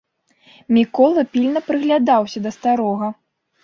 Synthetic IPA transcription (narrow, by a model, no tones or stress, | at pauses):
mʲikɔlˠɐpʲilʲnɐpɾɨɣlʲad̪awsʲɐd̪ɐst̪aɾɔɣɐ